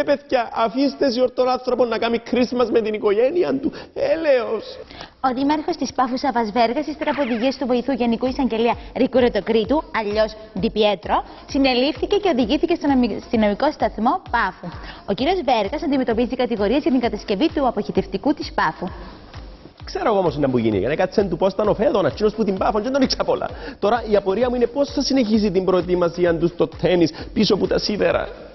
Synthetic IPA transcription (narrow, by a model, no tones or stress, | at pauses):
epeθçɐʔɐfist̪es̬ioɾt̪ːonɐnθɾoponːɐkɐmikʰɾisimɐzmet̪iniko̞ʝeniɐnt̪ueleoso̞ðimɐɾxo̞st̪ispɐfusɐvɐzve̞ɾɣɐsist̪eɾɐpuoðiʝiɐst̪uvo̞iθuʝe̞nikuisɐɲɟe̞liɐɾikuɾet̪o̞kɾit̪uɐʎːo̞s | d̪ipiet̪ɾo | sine̞lifθice̞ce̞o̞ðiʝiθice̞st̪ost̪inomiko̞st̪ɐθmo̞pɐfuo̞ciɾio̞zve̞ɾɣɐsɐnd̪ime̞t̪o̞pizit̪ikɐt̪iɣo̞ɾiɐzʝɐt̪iŋɡɐt̪ɐsce̞vit̪uɐpoçit̪e̞ft̪ikut̪ispɐfu | kseɾoɣoomosinɐmpuʝḭnḭjɐ̰nekɐsent̪upost̪ɐnofeðonɐcino̞sput̪imbɐfonɲd͡ʒed̪oniksɐpolɐ̰t̪o̞ɾɐiɐpo̞ɾiɐmuine̞po̞sθɐsineçis̬it̪imbɾo̞et̪imɐsiɐnt̪ust̪o̞t̪ʰːenispiso̞put̪ɐsivḛɾɐ̰